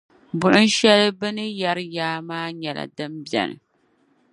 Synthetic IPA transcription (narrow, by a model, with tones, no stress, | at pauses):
bʊ˨ʔʊ˦n˦ʃɛ˦lɨ˦bɨ˦nɨ˦ja˦ɾjaː˦maː˦ɲɛ˨la̰˨dɨ˦mbjɛ̰˨nɨ̰˨